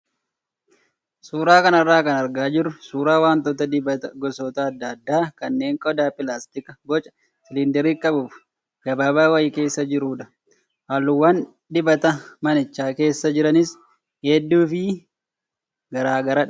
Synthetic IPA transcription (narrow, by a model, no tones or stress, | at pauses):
suːɾaːkɐnɐrːaːkɐnɐɾɡaːd͡ʒɪrʊsuːɾaːwaːnt̪oːt̪ɐd̪ɪbɐt̪ɐɡɔsoːt̪ɐːd̪ːɐd̪ːaːkɐnːe̞ːŋkʼɔd̪aːpɪlaːst̪ɪkɐɡɔt͡ʃʼɐ̥ | sɪlɪnd̪ɛɾiːkʼɐbuf | ɡɐbaːbaːwɐjɪke̞ːsːɐd͡ʒɪɾuːᶑɐ̥ | haːlːʊwːɐːn | d̪ɪbɐt̪ɐmɐnɪt͡ʃːaːke̞ːsːɐd͡ʒɪɾɐnɪs | hɛd̪ːuːfɪ | ɡɐɾaːɡɐɾɐᶑ